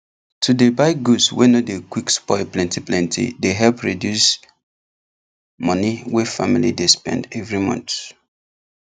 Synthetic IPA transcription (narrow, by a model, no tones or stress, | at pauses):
tʰudebaɪɡuswɛnodekwikspɔɪplɛ̃ntiplɛ̃ntʰḭdeɦɛlpɹidjus | mʌ̃niwɛfamilidespɛ̰̃ndɛvɹimɔ̰̃nt